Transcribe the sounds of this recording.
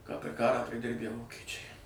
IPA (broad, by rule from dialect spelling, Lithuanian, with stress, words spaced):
kɑː pʲɛr ˈkɑːrɑː pʲrʲɪˈdʲɪrʲbʲæ ˈʋoːkʲɛt͡ʃʲɛɪ